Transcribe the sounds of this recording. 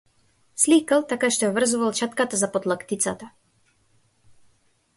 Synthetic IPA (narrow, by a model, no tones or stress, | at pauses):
slikalˠt̪akaʃt̪ɔjavr̩zuvalˠt͡ʃat̪kat̪azapod̪lˠakt̪it̪sat̪a